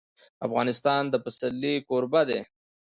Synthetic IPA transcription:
afɣɑnɪst̪ɑnd̪əpasalːikoɾbad̪e

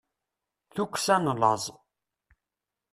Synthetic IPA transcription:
θukʷːsænlə̰zˤ

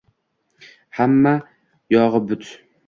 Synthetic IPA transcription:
hamːa | jɒʁɨbʊt̪ʰ

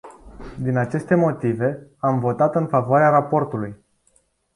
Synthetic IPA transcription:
d̪inat͡ʃe̞st̪e̞mo̞t̪ive̞amvo̞t̪at̪ɨnfavoaɾeaɾapo̞rt̪uluj

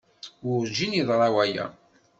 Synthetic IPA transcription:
wʊɾd͡ʒiniðˤɾˤɑwæjæ̰

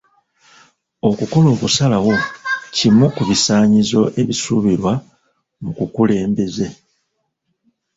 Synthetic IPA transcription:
o̞kuko̞lo̞ːβusalawo̞cimukuβisaːɲizo̞ʔe̞βisuβiɾwa | mukukule̞ːmbe̞ze̞

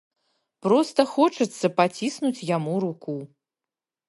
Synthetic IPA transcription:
pɾɔst̪ɐxɔt͡ʂɨt̪sːɐpat͡sʲisnut͡sʲjamuɾuku

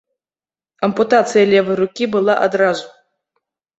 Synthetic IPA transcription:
ɐmput̪at̪sɨjɐlʲɛvɨjɾukʲibɨlˠaʔad̪ɾazu

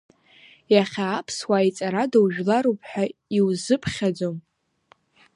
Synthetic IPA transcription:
jaχʲaːpʰswait͡sʼaɾadawʒᶣlaɾopʰʼħʷᶣaiwzɨpʰχʲad͡zom

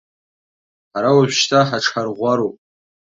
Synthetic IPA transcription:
ħaɾawaʒᶣʃtʰaħaʈ͡ʂʰħarʁʷaɾowpʼ

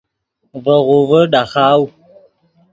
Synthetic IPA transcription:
vəɣuvəɗaxaːwu

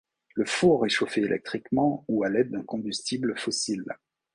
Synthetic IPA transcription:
ləfoʁeʃofeelʔɛ̰k̚t̪χikmɑ̃ualɛd̪̚ːɛ̃kɔ̃byst̪ibləfɔsil

